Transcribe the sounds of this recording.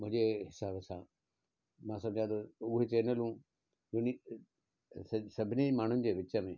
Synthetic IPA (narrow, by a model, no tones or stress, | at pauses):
mʊ̃ɦɪ̃d͡ʑeɦɪsaːbsãː | mãsɐ̃md͡ʑʱãt̪ʰoʊɦet͡ɕeːnəlɦũː | ʊni | sɐbʱɪnemaːɳ̤ʊnɪ̆d͡ʑeːʋɪt͡ɕəmẽ